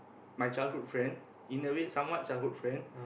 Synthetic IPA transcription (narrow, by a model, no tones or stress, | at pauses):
majt͡ʃaɪlhut̚fɹɛ̃nd | ĩnəvet̚sãmwɔʔ̚t͡ʃajlɦut̚fɹɛ̃n